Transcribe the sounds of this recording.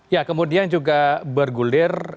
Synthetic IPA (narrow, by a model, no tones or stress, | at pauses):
jakəmudiand͡ʒuɡabərɡulɪr